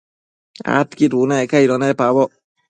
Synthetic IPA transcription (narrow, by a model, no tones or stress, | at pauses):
a̰t̪kiɾunaɛkaiɾɔnapaβɔ